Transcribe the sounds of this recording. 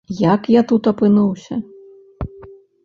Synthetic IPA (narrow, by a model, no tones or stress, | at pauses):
jakjat̪ut̪ɐpɨnuwsʲɐ̰